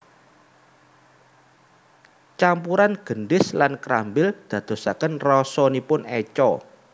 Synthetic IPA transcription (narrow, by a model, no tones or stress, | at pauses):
t͡ʃampuɾanɡ̥ə̤nɖɪslankɾambɪld̪̥ä̤d̪̥o̤sakənrɔsɔnipʊnɛt͡ʃɔ